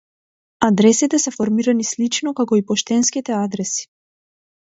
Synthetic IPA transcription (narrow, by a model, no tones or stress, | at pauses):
ad̪ɾɛsit̪ɛsɛfɔɾmiɾanislit͡ʃnɔkakɔipɔʃt̪ɛnskit̪ɛad̪ɾɛsi̥